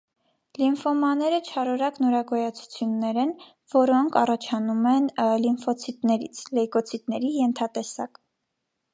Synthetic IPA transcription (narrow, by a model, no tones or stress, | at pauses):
linfɔmɑnɛɾət͡ʃʰɑɾɔɾɑknɔɾɑɡɔjɑt͡sʰu̥t͡sʰjunːɛɾɛn | vɔɾɔŋkʰɑrɑt͡ʃʰɑnumɛnlinfɔt͡sʰit̪nɛɾḭt͡sʰlɛjkɔt͡sʰit̪nɛɾijɛnt̪ʰɑt̪ɛsɑ̰k